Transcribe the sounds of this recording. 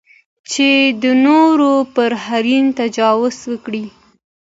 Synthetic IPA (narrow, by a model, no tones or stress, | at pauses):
t͡ʃed̪ənoɾopəɾhaɾint̪ad͡ʒɑwʊzwəkɽi